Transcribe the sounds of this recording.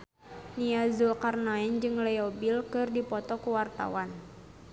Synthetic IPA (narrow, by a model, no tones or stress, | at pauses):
niazulkarnaɛnd͡ʒɨŋlɛɔbilkɨrdipɔt̪ɔkuwart̪a̰wan